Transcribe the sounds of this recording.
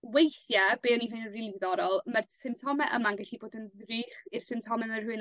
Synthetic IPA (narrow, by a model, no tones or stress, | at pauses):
wejθjabeːɔniɦʊɨnənrilˠðɔɾɔlˠmarsɪmptʰɔmɛʔəmanɡɛɬiboːdənðriːχɪr̥sɪmptʰɔmɛmər̥hɨn